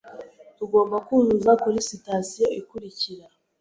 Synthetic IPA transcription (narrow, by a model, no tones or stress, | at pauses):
tuɡo̞ːmbakunzuzakuɾisitasijo̞ikuɾiciɾa